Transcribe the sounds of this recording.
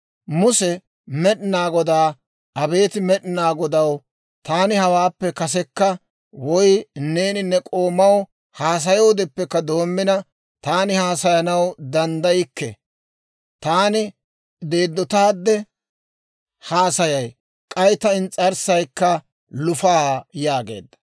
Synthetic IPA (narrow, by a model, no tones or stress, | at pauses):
mʊsɛ | mɛɗɪnaːɡɔd̪aː | ɐbe̞ːt̪ɪmɛɗnaːɡɔd̪ɐw | t̪aːnɪhɐwaːpːɛkɐs̬ɛkːɐ | wɔjne̞ːnɪnːɛkʼo̞ːmːɐw | haːs̬ɐjoːd̪ɛpːɛkːɐd̪o̞ːmːɪnɐ | t̪aːnɪhaːsɐjɐnɐwd̪ɐnd̪ɐjɪkːɛ | t̪aːnɪ | d̪e̞ːd̪ːɔt̪aːd̪ːɛ | haːsɐjɐj | kʼɐjt̪ɐɪnt͡sʼɐɾsɐjkːɐ | lʊfaːjaːɡe̞̰ːd̪ːɐ̥